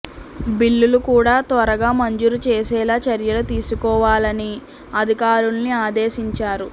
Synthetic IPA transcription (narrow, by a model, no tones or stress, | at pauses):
bilːulukuːɽaːt̪ʋɐɾɐɡaːmɐɲd͡ʒuɾut͡ʃeːsɛːlaːt͡ʃɐɾjɐlut̪iːsukɔːʋaːlɐni | ɐd̪ʱikaːɾunːiaːd̪eːʃiɲt͡ʃaːɾu